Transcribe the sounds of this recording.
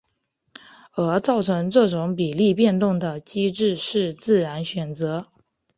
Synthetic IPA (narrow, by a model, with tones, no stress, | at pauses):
ə˧˥t͡sɑ˥˩ʊʈ͡ʂʰɤ˧˥ŋʈ͡ʂɤ˥˩ʈ͡ʂʊ˧˥ŋpi˨˩li˥˧pjɛ˥˧nt̪ʊ˥˩ŋd̪ə˩t͡ɕi˥ʈ͡ʂɻ̩˥˧ʂɻ̩˥˧t͡sɹ̩˥˩ɻa˧˥nɕɥɛ˨˩nt͡sɤ˧˥